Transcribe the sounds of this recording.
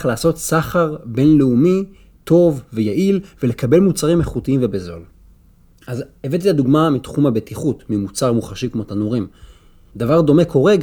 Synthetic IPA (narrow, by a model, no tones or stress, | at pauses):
χlaːso̞t̪saχaʁbe̞nleumi | t̪o̞vvejaʔilvele̞kabe̞lmut͡saʁimeχutiimvebezo̞̰l | azevet̪̬it̪ad̪uɡmamit̪χumhabetʰiχutmimut͡saʁmuχaʃikmo̞t̪anuʁim | d̪avaʁd̪o̞me̞ko̞ʁe̞ɡ